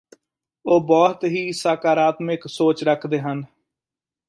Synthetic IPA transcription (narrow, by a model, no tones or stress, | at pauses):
oːbɔːt̪ɦiːsaːkaːɾaːt̪mɪksoːt͡ʃɾəkʰd̪eːɦən